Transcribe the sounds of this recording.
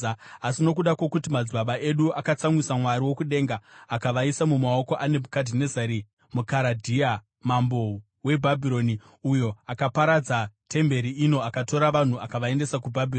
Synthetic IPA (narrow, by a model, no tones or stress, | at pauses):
asino̞k̬uɗakokutimad͡zbaɓaʔe̞ɗuʔakat͡samwisamwaɾiwo̞kuɗe̞ŋɡaːkaʋaisamumao̞ko̞ʔane̞mʱukadʱinezaɾi | mukaɾadʱia | mambo̞ | we̞bʱabʱiɾo̞ni | ujo̞akapaɾad͡zatʰe̞mbe̞ɾiʔino̞akato̞ɾaʋan̤uakaʋae̞nde̞sakubʱabʱiron